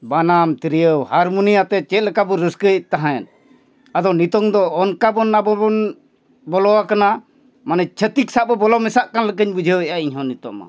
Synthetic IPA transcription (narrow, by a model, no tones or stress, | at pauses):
banamt̪iɾijəwhaɾmunijat̪ɛt͡ʃɛt̪̚lɛkabɔɾəskət̪aɦãɛn | ad̪ɔnit̪ɔŋd̪ɔːnkabɔnːabɔbɔn | bɔlɔwakana | manɛt͡ʃʰət̪iksaʔbɔbɔlɔmɛsaʔkanlək̬əɲbud͡ʒʱəwɛʔaiɲɦɔ̃nit̪ɔ̰ma̰